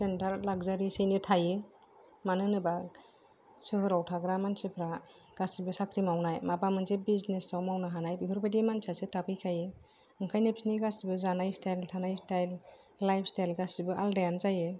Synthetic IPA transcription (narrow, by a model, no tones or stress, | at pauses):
sentaɾlaɡzaɾisejnitʰajɯ | manɯnɯba | sɯɦɯɾawtʰaɡɾamansɯpʰɾa | ɡ̥asibɯsakʰɾimawnajmabamɯnzebiznesawmawnaɦanajbiɦʰɯɾbadimansasɯtapʰɯjkʰajɯ | ɯŋkʰajnepsiniɡasibɯzanajstʰajltʰanajstajlː | ajpʰstajlɡasibɯʔaldajanzajɯ